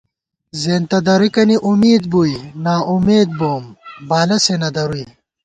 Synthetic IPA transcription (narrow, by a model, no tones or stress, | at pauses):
zeːnt̪ɐd̪ɐɾuikɐniʔumiːd̪̚bujnaːʔumeːd̪̚boːmbaːlɐsenɐd̪ɐɾui